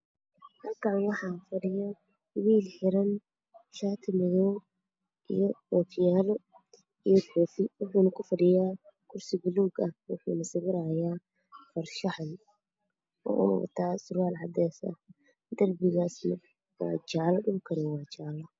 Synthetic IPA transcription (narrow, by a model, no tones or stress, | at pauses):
hɐlkʰaʕnwɑħɑːfɐɖɪja | wiːlħɪɾɐn | ʃaːt̪ʰɪmɐjɔː | ʔḭjɔɔːfʰjaːlɔ | ijɔfɔːfɪwʊħuːnɐkʰʊfɐɖɪjaː | kʰʊrsɪbʊluːɡɐhwʊ̰ħuːnɐsɪɣɪɾaːjaː | fɐrʃɐħl | ɔ̰ːʔʊ̰nɐ̰wɐ̰t̪ʰaːsʊraːlʕɑ̰d̪ɛːsɐ̰ | d̪ɐrbɪɣaːsnɐ | wɑ̰ːt͡ʃaʕlɐɗʊŋkʰɐɾɪwɑːt͡ʃaʕlɐ